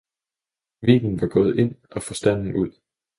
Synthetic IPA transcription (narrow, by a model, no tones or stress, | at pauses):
ʋḭːɡ̥n̩ʋɑ̈ɡ̥ɔ̽ːð̞̩ˠe̝n̰ɒ̽fɒ̽sd̥æn̰n̩uð̞̰ˠ